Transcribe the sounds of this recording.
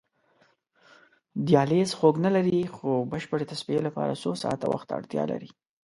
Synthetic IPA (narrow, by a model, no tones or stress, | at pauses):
d̪jɑlezxoɡnalaɾixobəʃpəɽet̪aspielapɑ̰ɾa̰sosɑ̰t̪a̰wa̰xt̪a̰ɽt̪jɑ̰la̰ɾi